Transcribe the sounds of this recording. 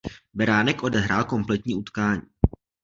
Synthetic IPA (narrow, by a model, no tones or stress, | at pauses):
bɛɾaːnɛkʔo̞dɛɦɾaːlko̞mplɛt̪ɲiːʔut̪kaːɲiː